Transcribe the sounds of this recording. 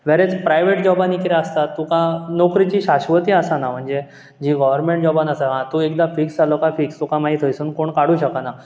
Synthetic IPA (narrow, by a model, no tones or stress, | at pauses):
ʋɛɾet͡spɾajʋeʈd͡ʑɔbãnikiɾeəst̪at̪ːukãnokɾit͡ɕiːɕaɕʋət̪iəsanam̤əɳd͡ze | d͡ʑiɡɔʋəɾmẽɳʈ̚d͡ʑɔbanəsaɦãt̪uekd̪afiksd͡zalokãfikst̪ukãmaɦit̪ʰəjsunkoɳkaɽ̤uːɕəkana